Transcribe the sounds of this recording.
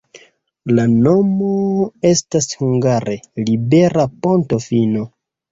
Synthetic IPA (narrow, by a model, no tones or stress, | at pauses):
lano̞mo̞e̞stashuŋɡaɾʔe̞libe̞ɾapo̞nto̞fino̞